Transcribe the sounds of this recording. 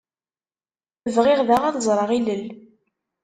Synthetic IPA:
əvʁɪʁðaʁaθzˤɾˤəʁiləl

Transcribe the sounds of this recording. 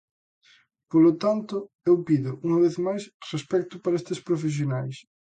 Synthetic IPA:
polot̪ant̪ʊ | ewpiðʊʔuŋɐβeθmajsrespɛk̚t̪ʊpaɾɐest̪ɪspɾofes̬jonajs

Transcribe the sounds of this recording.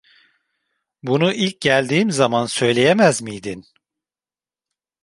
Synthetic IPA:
bunuʔilʲc̚ɟælʲd̪iːmzamansø̞jlʲe̞jemæzmijd̪in

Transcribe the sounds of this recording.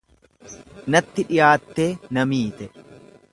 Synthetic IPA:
nɐt̪ːɪᶑɪjaːt̪ːe̞ːnɐmiːt̪ɛ

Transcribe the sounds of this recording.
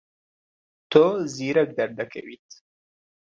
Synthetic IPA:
t̪ʰoziɾəɡ̚d̪aɾd̪akʰa̰wit̪

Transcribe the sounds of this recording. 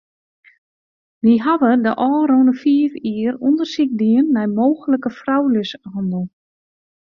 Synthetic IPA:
ʋiɦaʋədəʔɔːɾownəfiəfiərundərsik̚diənːɛjmoːxələkəfrawløsɔndəlˠ

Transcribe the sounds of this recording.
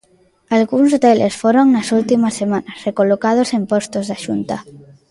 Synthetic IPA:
alɣuns̬ot̪elesfoɾoŋnasult̪imasːemãnasrekolokað̞osempost̪ozðaʃunt̪a

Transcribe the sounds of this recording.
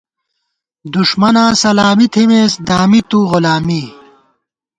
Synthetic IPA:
d̪uʂmɐnãːsɐlaːmit̪ʰimeːsd̪aːmit̪uʁʊlaːmi

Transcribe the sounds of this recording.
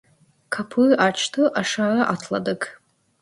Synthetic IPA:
kʰapʰɨat͡ʃʰtʰɨʔaʂaraʔatʰla̰dɨkʰ

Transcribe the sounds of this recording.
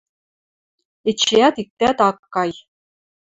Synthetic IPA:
et͡ɕijæt̪ik̚t̪æt̪ɑkːɑj

